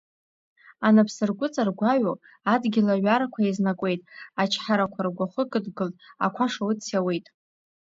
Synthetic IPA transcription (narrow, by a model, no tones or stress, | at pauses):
anapʰsɨrɡʷʊt͡sʼarɡʷaɥo | adɡʲɪlaɥaɾakʷʰaiznakʷʼe̞jtʼat͡ʃʰħaɾakʷʰarɡʷaχəkʼɨdɡɨltʼa̰kʷʰaʂawɨt͡sʰjawe̞jtʼ